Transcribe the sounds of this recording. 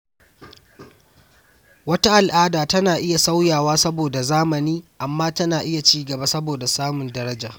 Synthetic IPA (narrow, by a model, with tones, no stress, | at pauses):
wɐ˦ta˦ʔa˨lʔaː˦daː˨tɐ˦naː˨ʔɪ˦ja˨sa˦wjaː˨waː˦sɐ˦boː˨da˨zaː˦mɐ˨niː˦ʔa˨mːaː˦tɐ˦naː˨ʔɪ˦ja˨t͡ʃiː˦ɡɐ˨ba˦sɐ˦boː˨da˨saː˦mʊ˨ndɐ˦ɾɐ˦d͡ʒaː˨